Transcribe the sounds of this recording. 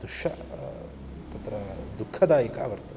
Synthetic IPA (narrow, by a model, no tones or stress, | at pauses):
d̪uʃɐ̰ | t̪ɐt̪ɾɐd̪ukʰːɐd̪aːjika̰ːʋɐɾt̪ɐ